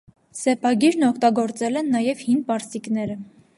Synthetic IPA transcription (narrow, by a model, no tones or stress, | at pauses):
sɛpʰɑɡiɾnɔkʰt̪ɑɡɔɾt͡sɛlɛnːɑjɛvhinpɑɾsiknɛɾə